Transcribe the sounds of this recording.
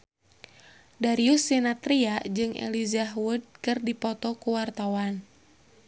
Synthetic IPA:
daɾiusːinat̪ɾiad͡ʒɨŋʔɛ̰lizaɦwud̚kɨrdipɔt̪ɔkuwart̪awan

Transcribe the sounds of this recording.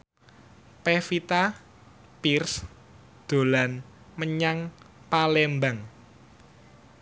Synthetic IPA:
pefit̪a | pirs | d̪̥o̤lan | məɲaŋpalɛmbaŋ

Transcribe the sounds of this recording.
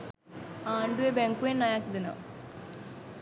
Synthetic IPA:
aːɳɖuebeŋkuenːajakd̪ɐna̰

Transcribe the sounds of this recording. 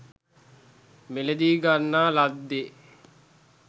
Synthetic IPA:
meled̪iːɡanːaːlad̪ːe

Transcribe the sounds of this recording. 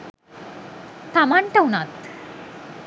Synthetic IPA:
t̪amaɳʈəwnat̪

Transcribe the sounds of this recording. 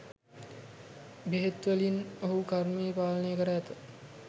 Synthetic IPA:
beɦet̪ʋəlinoɦukaɾmeːpaːlənəjəkəɾəæt̪ə

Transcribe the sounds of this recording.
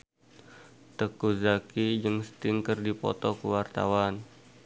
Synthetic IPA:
t̪əkuzakid͡ʒəŋsə̥t̪iŋkərdipɔ̰t̪ɔkəwart̪a̰wan

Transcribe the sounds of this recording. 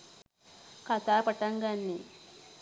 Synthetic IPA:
kɐt̪aːpɐʈɐŋɡanːi

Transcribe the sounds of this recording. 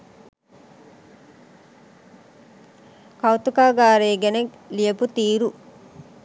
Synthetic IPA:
kɐwt̪ukaːɡaːɾeːɡeneɡ | lijeput̪iːɾu

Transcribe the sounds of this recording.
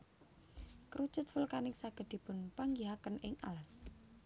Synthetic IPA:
kɾu̥t͡ʃʊt̪̚fʊlkanɪk̚saɡ̥ə̤d̪̥i̤pʊnpaŋɡiɦakənɪŋa̰las

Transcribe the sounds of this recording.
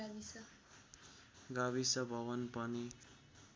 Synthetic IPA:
bisʌ | ɡaβisʌbʱʌβʌnpʌni

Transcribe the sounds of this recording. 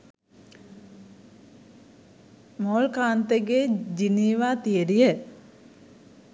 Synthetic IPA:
moːlkaːnt̪eɡeːd͡ʒiniːʋaːt̪ijəɾijə

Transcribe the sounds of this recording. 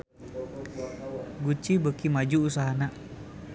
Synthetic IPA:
ɡut͡ʃibəkimad͡ʒuusaɦanaʔ

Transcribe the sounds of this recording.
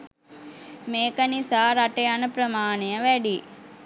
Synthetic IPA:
meːkənisaːɾaʈəjanəpɾəmaːnejəʋæɖi

